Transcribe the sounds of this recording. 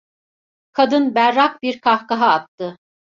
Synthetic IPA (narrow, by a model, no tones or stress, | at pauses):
kʰad̪ɯnbæɾːak̚biɾkʰahkaɦaːt̪ːɯ